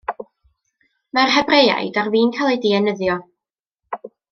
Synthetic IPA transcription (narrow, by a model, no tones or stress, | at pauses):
marɦɛbreja̰jdarviːnkʰalˠejdiɛnəðjɔ